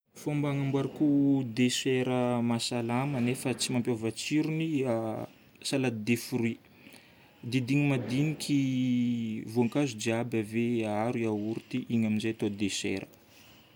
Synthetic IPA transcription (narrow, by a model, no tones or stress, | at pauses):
fuambaŋambwaɾikud̪eseɾəmasalamənefət͡simampjovat͡siɾunia | salad̪d̪efuɾui | d̪id̪iŋimad̪inikʲʰi | vuaŋkazud͡ʒiabaveaɾiauɾt̪iʔiɲaminzejat̪od̪esḛɾə̥